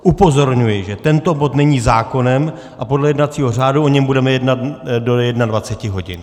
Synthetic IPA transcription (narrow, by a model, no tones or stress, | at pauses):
ʔupo̞zo̞ɾɲujɪʒɛt̪ɛnt̪o̞bo̞t̪nɛɲizaːko̞nɛm | ʔapo̞dlɛjɛdnat͡siːɦo̞r̝aːduo̞ɲɛmbudɛmɛjɛdnat̪dojɛdnadvat͡sɛcɪɦo̞ɟɪn